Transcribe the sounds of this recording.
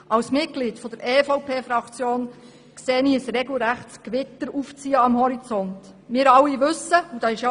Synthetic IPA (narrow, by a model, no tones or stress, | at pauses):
ʔɑwsmɪt̚ɡ̥liːtfɔd̥̪əɾɛːfɔʊpʰeːfɾɑkt͡sjoːn | kseːniːəsɾɛɡl̩ɾæχtskʋɪtəɾuft͡siːəɑmhɔɾit͡sɔnt | mɪːɾɑlːiʋʏsəud̥ɑːɪʃjo